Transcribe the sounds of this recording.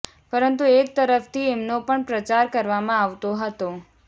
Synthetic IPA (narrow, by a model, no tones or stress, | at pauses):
pəɾənt̪uek̚t̪əɾəft̪ʰiemnopəɳpɾət͡ʃaɾkəɾʋamãaʋt̪oɦət̪o